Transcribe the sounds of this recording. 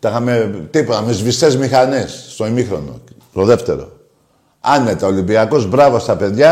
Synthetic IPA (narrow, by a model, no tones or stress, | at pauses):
t̪ɐxɐmet̪ipot̪ɐmezvist̪ezmixɐnesːt̪o̞imixɾo̞no̞̰ | t̪o̞ðe̞ft̪e̞̰ɾo̞̰ | ɐnet̪ɐolimbiɐko̞zbɾɐvost̪ɐpe̞ðʝɐ